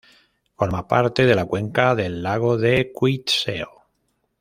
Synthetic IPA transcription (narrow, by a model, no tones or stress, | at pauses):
foɾmapaɾt̪e̞ð̞e̞lakwe̞ŋkaðelːaɣ̞oðekwit̪sḛo